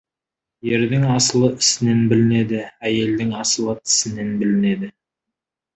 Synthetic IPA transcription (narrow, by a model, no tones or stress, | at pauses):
je̞ɾd̪ɪŋɑsəlˠəɪsɪne̞nbɪlɪne̞d̪ɪæje̞ld̪ɪŋɑsəlˠət̪ʰɪ̥sɪne̞nbɪlɪne̞d̪ɪ